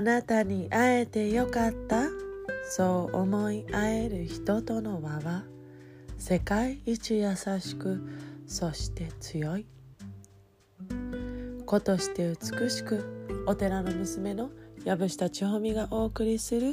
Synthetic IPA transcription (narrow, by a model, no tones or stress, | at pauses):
anat̪aɲ̟iʔae̞t̪e̞jo̞kat̪ːaso̞ːʔomo̞iae̞ɾɯ̟çi̥t̪o̞t̪o̞no̞βaβa | se̞kaiːt͡ɕijasaɕi̥kɯ̟so̞ɕi̥t̪e̞t͡sɨjo̞i | ko̞t̪o̞ɕi̥t̪e̞ɯt͡sɨ̥kɯ̟ɕi̥kɯ̟o̞t̪e̞ɾano̞mɯ̟sɨme̞no̞jabɯ̟ɕi̥t̪at͡ɕiɦomʲiɡaʔo̞ːkɯ̟ɾʲisɨɾɯ̟